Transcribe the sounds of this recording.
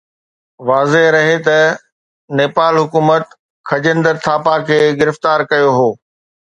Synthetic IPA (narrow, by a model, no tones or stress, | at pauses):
ʋaːzeɦɾɐɦet̪ɐ | neːpaːlɦʊkuːmət̪ | kʰɐd͡ʑə̃nd̪əɾt̪ʰaːpakʰeːɡɪɾɪft̪aːɾkɐjoɦoː